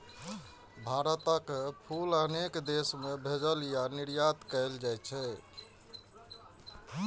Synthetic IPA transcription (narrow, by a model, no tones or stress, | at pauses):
bʱaɾət̪əkpʰulənekd̪esmebʱed͡ʒəlijaniɾjat̪kəɪld͡ʒajt͡ʃʰɛ